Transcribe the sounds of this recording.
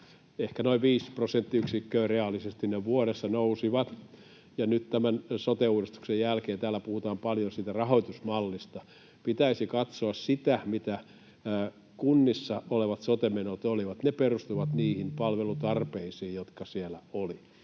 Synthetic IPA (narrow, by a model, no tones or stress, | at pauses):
ehkænoiʋʋiːsprosent̪ːiyksikːøːreɑlːisest̪inneʋuoɾesːɑnousiʋɑt̪ | jɑnyt̪t̪æmænsot̪euːrist̪u̥ksejjælkeːnt̪æːlːˑæpuhut̪ɑːmpɑljonsiːt̪ærɑhoit̪usmɑlːist̪ɑ | pit̪æisikɑt̪soɑssit̪æmit̪æː | kunːisːɑoleʋɑt̪sot̪emenot̪oliʋɑt̪neperust̪uʋɑt̪niːhimpɑlʋelut̪ɑrpeisiːjjot̪kɑsielæ̰oli